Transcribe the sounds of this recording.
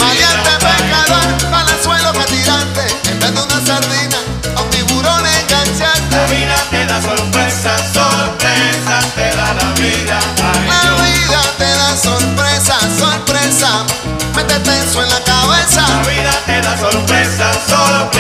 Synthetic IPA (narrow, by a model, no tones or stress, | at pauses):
maðjant̪epekaðoɾbalasweloket̪iɾant̪eent̪ɾand̪ounasaɾðina | aw̪t̪iβuɾoneŋkansant̪eiðat̪eðasoɾpɾesasolesat̪eðalaβiðalaβiðat̪eðasoɾpɾesasoɾpɾesa | met̪et̪ensoenlakaβesaaβiðat̪eðasoɾpɾesasolo